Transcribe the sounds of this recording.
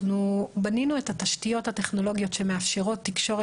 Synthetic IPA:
nubaninue̞thataʃtijo̞thate̞χno̞lo̞ɡijo̞tʃe̞meafʃeʁo̞tːikʃo̞ʁe

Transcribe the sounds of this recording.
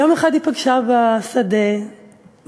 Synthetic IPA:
jomeχad̪hipaɡʃabasad̪e

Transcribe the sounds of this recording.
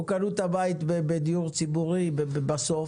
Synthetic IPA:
ukalut̪habait̪bebed̪ijuʁt͡sibuʁibebebaso

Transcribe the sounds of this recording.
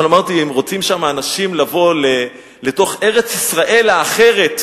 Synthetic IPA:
namaʁt̪iemʁo̞t͡simʃamaːnaʃimlavo̞le | le̞to̞χe̞ʁe̞t͡sisʁaʔe̞laːχe̞ʁe̞t

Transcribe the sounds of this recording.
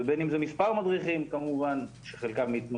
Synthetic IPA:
ebenimzemispaʁmad̪ʁiχimkamuvanʃeχelkavmiit̪mo

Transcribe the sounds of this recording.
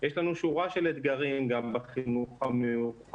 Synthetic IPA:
jʃlanuʃuʁaʃelet̪ɡaʁimɡambaχinuχamejuχa

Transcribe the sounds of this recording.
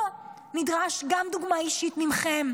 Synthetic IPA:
nid̪ʁaʃɡamd̪uɡmaiʃit̪mimχem

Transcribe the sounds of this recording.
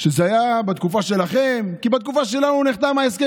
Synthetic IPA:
ʃezeajabat̪kufaʃe̞laχe̞mkibat̪̚kufaʃe̞lanuniχt̪avmaeske

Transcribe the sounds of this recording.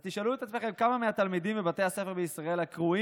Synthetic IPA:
t̪iʃaluet̪att͡ssmeχelkamameat̪almid̪imvebat̪e̞jase̞feʁbeisʁae̞lhakʁui

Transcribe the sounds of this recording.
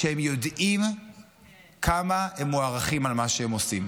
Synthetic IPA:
ehemjodim | kʰamahemːoaʁaχimalmaʃeemosim

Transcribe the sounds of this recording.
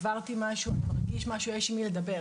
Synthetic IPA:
vaʁt̪imaʃumaʁɡiʃmaʃueʃimiled̪ɐbe

